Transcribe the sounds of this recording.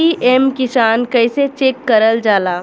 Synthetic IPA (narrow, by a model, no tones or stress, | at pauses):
iʔemkɪsaːnkɐɪset͡ʃeːkːɐɾəld͡ʒaːlaː